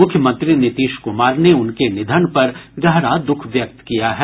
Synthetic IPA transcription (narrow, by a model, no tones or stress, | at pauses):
mʊkʰjəmə̃nt̪ɾinɪt̪iːʃkʊmaːɾneʊnkenɪd̪ʱənpɐɾɡɐɦɾad̪ʊkʰʋjɐk̚t̪kijaɦɛː